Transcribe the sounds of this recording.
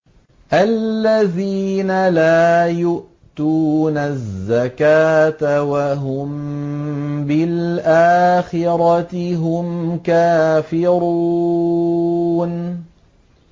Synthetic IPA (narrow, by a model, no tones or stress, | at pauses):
ʔalːaðiːnalaːjʊʔ | t̪uːnazːakaːt̪awaɦʊm | bɪlʔaːxɪɾɑtɪɦʊmkaːfɪɾu | n